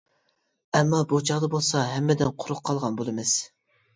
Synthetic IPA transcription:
ɛmːɑbut͡ʃʰɑʁd̪ɑbolˠsɑɦɛmːɛd̪ɪnqʰʊɾʊqʰːɑlˠʁɑnbolˠɨmɪz̥

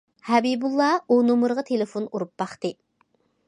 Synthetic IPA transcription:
hɛbibulˠːɑunumuɾʁɑt̪ʰelɪfonuɾup̚bɑχt̪ɨ

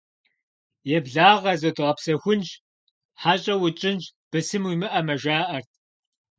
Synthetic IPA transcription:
jɛbɮaːʁɐzɐdʁɐpsɐxʷʊnʒ | ħaɕʼɐwʊt͡ʃʼɪnd͡ʒb̥ɨsɨmwimɨʔɐmɐʒaːʔɐrt̚ʰ

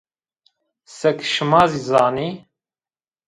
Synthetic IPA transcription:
sɛkʃɨmɑːziːzɑːniː

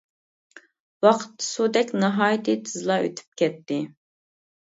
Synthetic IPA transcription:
wɑqʰə̥t̪ːɨ̥sud̪ɛkʲnɨɦɑːjt̪ʰɨt̪ʰɨzlˠɑʔø̰t̪ʰy̥p̚kʲɛt̪ːɪ

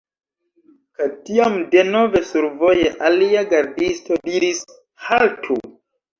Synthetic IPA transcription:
katiamde̞no̞ve̞suɾvo̞jeʔaliaɡaɾdisto̞diɾis | haltʰu

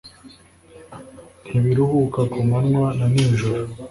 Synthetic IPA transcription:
n̥hiβiɾuhukakumanŋwananiːɲʒuɾo

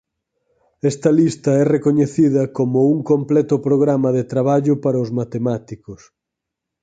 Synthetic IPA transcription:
ɛst̪ɐlist̪ɐɛrekoɲeθiðɐkomʊuŋkomplɛt̪ʊpɾoɣɾamɐðet̪ɾaβ̞aʎʊpaɾɐʊzmat̪emat̪ikʊs

